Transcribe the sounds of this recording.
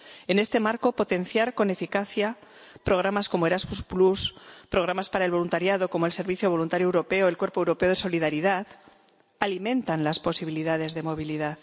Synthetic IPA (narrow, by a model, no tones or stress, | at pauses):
ene̞st̪e̞maɾko̞po̞t̪e̞nθjaɾko̞nefikaθja | pɾo̞ɣɾamasko̞moeɾazmuspluspɾo̞ɣ̞ɾamaspaɾaelβo̞lunt̪aɾjaðo̞ko̞moe̞lse̞ɾβiθjoβolunt̪aɾjoewɾo̞pe̞oe̞lkwe̞ɾpo̞ewɾo̞pe̞o̞ð̞e̞so̞lið̞aɾiðað | alimẽ̞nt̪anlaspo̞siβiliðað̞e̞zðe̞mo̞β̞iliðað